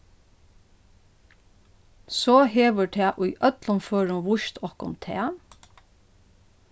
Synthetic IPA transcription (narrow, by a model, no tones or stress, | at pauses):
soːɦeːʋəɹʈʰæːʔʊjʔœt̪lɔnføːɹʊnʋʊʃt̪ʰɔhkʊ̰nt̪ʰɛ̰ː